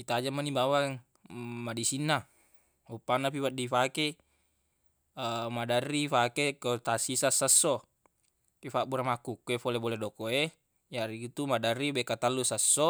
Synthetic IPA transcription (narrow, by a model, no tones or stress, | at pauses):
it̪ad͡ʒamːanibawaŋ | madisinːa | upːanːap̬iwadifake | madarːifakekot̪asisasːasːo | kifaʔbuɾamakukːuefoleboledokoe | jaɾikit̪umadarːibekat̪alːusasːo